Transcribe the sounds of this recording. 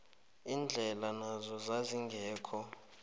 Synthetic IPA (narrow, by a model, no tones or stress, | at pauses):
ind͡ɮʱɛlanazɔzaziŋɡʱɛːkʰɔ